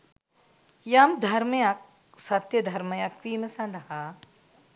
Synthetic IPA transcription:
jaːmd̪ʱɐɾmɐjak̚ | sɐt̪jɐd̪ʱɐɾmɐjakʋiːmɐsɐ̃nd̪ʱɐɦa

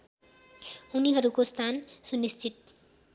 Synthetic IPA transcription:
uniɦʌɾukost̪ʰansunist͡sʰit̪̚

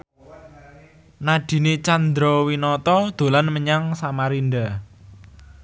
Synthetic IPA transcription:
naɖ̪̥i̤net͡ʃand̪ɾowinɔt̪ɔd̪̥o̤lanməɲaŋsamaɾinɖ̪a

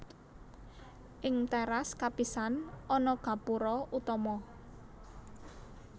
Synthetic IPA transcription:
ʔɪŋt̪ɛɾaskapisanʔɔnɔɡ̥a̤puɾɔut̪ɔmɔ

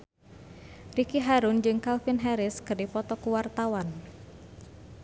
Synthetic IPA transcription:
rikiɦaɾund͡ʒɨŋkalfinɦɛɾɪskɨrdipɔt̪ɔkuwart̪awan

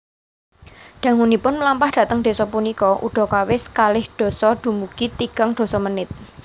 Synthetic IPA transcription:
ɖ̪̥ä̤ŋunipʊnməlampahɖ̥ä̤t̪əŋd̥e̤sɔpunikɔʔṵɖ̥ɔ̤kawɪskalɪhɖ̥ɔ̤sɔɖ̪̥ṳmukit̪iɡ̥əŋd̪̥ɔ̤sɔmənɪt̪̚

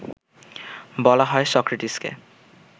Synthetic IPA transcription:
bɔlaɦɔesɔkɾiʈiskḛ

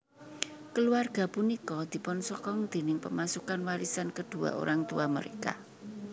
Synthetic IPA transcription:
kəluarɡ̥a̤punikɔd̪̥i̤pɔnsɔkɔŋd̪̥e̤nɪŋpəmasukanwaɾisankəd̪̥ṳa̰ʔo̰ɾaŋt̪uamə̰ɾeka̰

